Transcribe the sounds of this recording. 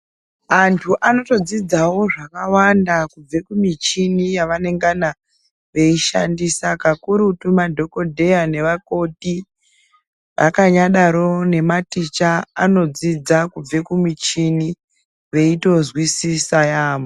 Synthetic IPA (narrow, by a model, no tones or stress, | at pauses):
antʰuʔano̞to̞d͡zid͡zawo̞ʐakawandakub͡ve̞kumit͡ʃinijaʋane̞ŋɡana | ʋe̞iʃandisakakuɾutumadʱoko̞dʱe̞jane̞ʋako̞ti | ʋʔakaɲaɗaɾo̞ne̞matit͡ʃaːno̞d͡zid͡zakub͡ve̞kumit͡ʃini | ʋe̞ito̞zwisisajaːmo